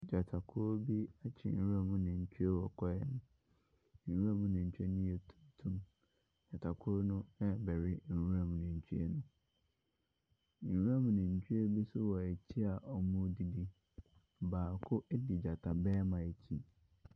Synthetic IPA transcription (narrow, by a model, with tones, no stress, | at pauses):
d͡ʑa˨tʰa˨kʰʊ˦ɾbi˦a˦t͡ɕʰɪ̰˨n̩˦u˦a˦mʊ̃˦nɪ̃˨ɲ̩˨t͡ɕʰᶣu˦e˦wɔ˨kʰɔ˦jɛ̰˦˨n˦ | n̩˨wu˦ã˦mʊ̃˦nɪ̃˨ɲ̩˨t͡ɕᶣe˦nʊ̃˦jɛ˨tʰu̥˦tʰũ˦m˦ | d͡ʑa˨tʰa˨kʰʊ˦nʊ̃˦ɛ˦bɛ˨ɾɪ˦n̩˨u˦ɾã˦m˨nɪ̃˨ɲ̩˨t͡ɕʰu˦ḛ˦nʊ̃˦ | n̩˨wu˦ã˦m̃˨nɪ̃˨ɲ̩˨t͡ɕᶣʰu˦e˦bi˦sʊ˦wɔ˨e˨t͡ɕʰi˦a˨ʔɔ˨mʊ̃˦di˦di˦˨ | baː˨kʰʊ˦ʔɛ˦dɪ˨d͡ʑa˨tʰa˨bɛː˦mã˨e˨t͡ɕʰi˦